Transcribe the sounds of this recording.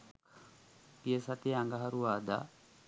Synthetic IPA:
pijəsat̪eaŋɡaɦaɾuaːd̪a̰

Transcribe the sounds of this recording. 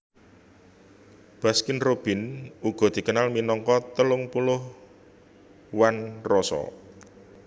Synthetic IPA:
b̥a̤skɪnrob̥ɪ̤nuɡ̥ɔ̤d̪̥i̤kənalminɔŋkɔt̪əlʊŋpulʊh | wanrɔsɔ̰

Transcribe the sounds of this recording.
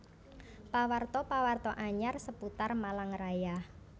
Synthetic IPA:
pawart̪ɔpawart̪ɔʔaɲarsəput̪armalaŋɾajah

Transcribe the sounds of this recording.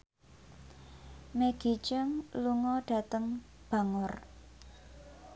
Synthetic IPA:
meɡ̥i̤t͡ʃəŋluŋɔɖ̥a̤t̪əŋ | b̥a̤ŋʊr

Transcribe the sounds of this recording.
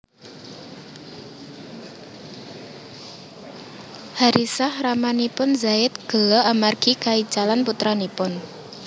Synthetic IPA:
haɾʔisahramanipʊnzaɪt̪̚ɡ̥ə̤lɔamarɡ̥ikai̥d͡ʒalanput̪ɾanipʊn

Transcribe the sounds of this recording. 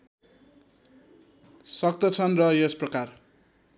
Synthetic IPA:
sʌk̚t̪ʌt͡sʰʌnrʌjesprʌkar

